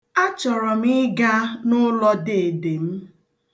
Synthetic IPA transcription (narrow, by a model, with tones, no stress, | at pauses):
a˦t͡ʃɔ˨ɾɔ˨m̩˦i˦ɡa˦nʊ˦lɔ˦de˨e˨de˨m̩˦